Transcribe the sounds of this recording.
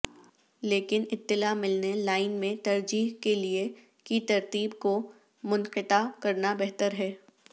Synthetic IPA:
leːkɪnɪt̪ːɪlamɪlnelaːɪnmẽt̪ɐɾd͡ʒiːɦkelie | kit̪ɐɾt̪iːbko | mʊnqɪʈ̪akɐɾnabɛɦt̪əɾɦɛː

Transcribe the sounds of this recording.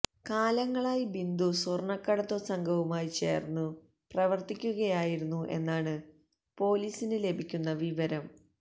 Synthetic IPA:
kaːlɐŋːɐɭaːjibind̪usurɳɐkːɐɽɐt̪ːusɐŋɡʱɐʋumaːjit͡ɕe̞̰ːrnːu | prɐʋɐrt̪ikʲːuɣɐjaːjiɾunːuʔe̞̰nːaːɳɨ | po̞ːliːsinɨle̞bʱikʲːunːɐʋiʋɐɾɐm

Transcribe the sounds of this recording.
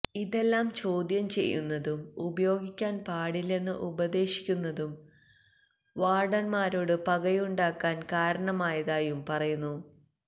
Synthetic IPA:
iðe̞lːaːmt͡ɕo̞ːd̪jɐmt͡ɕe̞̰jːṵnːɐðumubɐjo̞ːɡikʲːaːnpaːɽile̞nːɨʔubɐðe̞ːɕi̥kʲːunːɐðum | ʋaːrɖɐnmaːɾo̞ːɽɨpɐɡɐjuɳɖaːkːaːnkaːɾɐɳɐmaːjɐðaːjumpɐrɐjunːu

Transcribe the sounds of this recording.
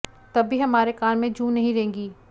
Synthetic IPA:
t̪ɐbʱːiɦɐmaːɾekaːɾmẽd͡ʒũːnɐɦĩɾɐɦẽːɡiː

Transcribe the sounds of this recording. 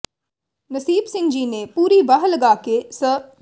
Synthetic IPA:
nɐsiːbsɪ̃ŋɡd͡ʒiːnepuːɾibaɦlɐɡaːkesə

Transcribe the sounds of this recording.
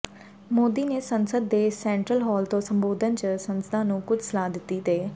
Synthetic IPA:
moːd̪iːneːsə̃nsəd̪ːeːsɛ̃ːɳʈɾəlɦɔːlt̪õːsə̃mboːd̪ʱənt͡ʃəsə̃nsəd̪ãːnũːkʊd͡ʒʱsəlaːd̪ɪt̪ːit̪eː

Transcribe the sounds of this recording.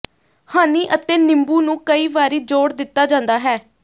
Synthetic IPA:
haːniːʔət̪ẽːnɪmbuːnũːkəiːʋaːɾiːd͡ʒoːɽd̪ɪt̪ːaːd͡ʒãːnd̪aːɦɛː

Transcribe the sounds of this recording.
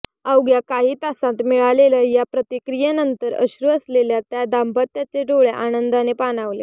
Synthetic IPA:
awɡjakaɦiːt̪asãt̪miɭalelajapɾət̪ikɾijenənt̪əɾə̰ɕɾuəsleljat̪jad̪ambət̪ːjat͡seɖoɭeʔanənd̪anepanaʋlḛ

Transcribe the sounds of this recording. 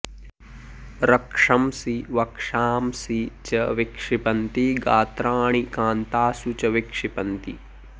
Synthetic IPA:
ɾɐkʂɐmsiʋɐkʂaːmsit͡ʃɐʋikʂipɐnt̪iɡaːt̪ɾaːɳikaːnt̪aːsut͡ʃɐʋikʂipɐnt̪i

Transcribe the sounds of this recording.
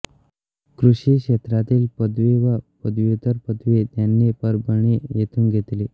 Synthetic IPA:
kɾuʂiːkʂet̪ɾat̪iːlpəd̪ʋeʋapəd̪ʋut̪əɾpəd̪ʋet̪janːepəɾbəɳ̃ijet̪ʰuːnɡʱet̪li

